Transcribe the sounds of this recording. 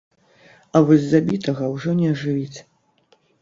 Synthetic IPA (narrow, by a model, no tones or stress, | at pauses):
ɐvɔzʲzabʲit̪ɐɣɐwʐɔnʲɛɐʐɨvʲit͡sʲ